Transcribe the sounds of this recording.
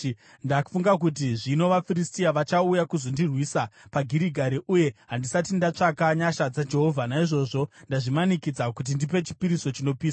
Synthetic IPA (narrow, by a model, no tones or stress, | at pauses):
ndaku̥fuŋɡak̬ut̬iʐino̞ʋafiɾistiaʋat͡ʃaujakuzo̞ndirwiːsapaɡʱiɾiɡʱaɾiʔuje̞ɦandisatindat͡ʂakaɲaʃad͡zad͡ʒe̞ɦo̞vʱanaiʐo̞ʐo̞ndaʐimanikid͡zakut̬indipe̞t͡ʃi̥piɾiso̞t͡ʃino̞piːsa